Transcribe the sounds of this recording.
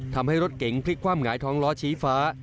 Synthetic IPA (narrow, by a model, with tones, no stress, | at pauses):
t̪ʰa˧mha˥˩jɾo˦˥t̪̚ke˩˦ŋpʰli˦˥kʰwaː˥˩mŋaː˩˦jt̪ʰɔː˦˥ŋlɔː˦˥t͡ɕʰiː˦˥faː˦˥